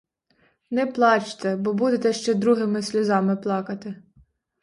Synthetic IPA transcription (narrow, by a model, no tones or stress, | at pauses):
nɛplˠɑt͡ʃt̪ɛbɔbud̪et̪ɛʃt͡ʃɛd̪ɾuɦɪmɪsʲlʲʊzɑmɪplˠɑkɐt̪ɪ